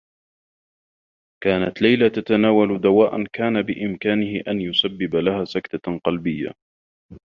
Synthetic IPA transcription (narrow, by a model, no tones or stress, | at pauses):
kaːnat̪lajlat̪at̪anaːwald̪awaːʔankaːnabɪʔɪmkaːnɪhɪʔanjʊsabːɪbalahaːsakt̪aqɑlbɪjːa̰